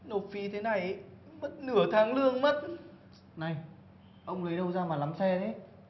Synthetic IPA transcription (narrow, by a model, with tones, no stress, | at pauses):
no˨˩t̚fi˨˦t̪ʰe˨˦na˨˩j | mə˦˥t̚nɨ˧˩ət̪ʰaː˨˦ŋlɨ˧əŋmə˦˥t̚ | na˨˩j | ʔə˧wŋ͡mlə˨˦jɗə˧wzaː˧maː˨˩la˨˦msɛ˧ɗe˨˦